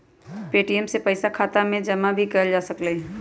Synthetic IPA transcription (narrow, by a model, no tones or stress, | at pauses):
peːʈiɛmsepɐɪsakʰaːt̪amẽd͡ʒɐmabʱikɐld͡ʒaːsɐkleː